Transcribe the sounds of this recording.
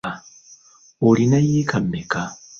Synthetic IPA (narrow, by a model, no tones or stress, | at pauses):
a | olinajikʰamːeka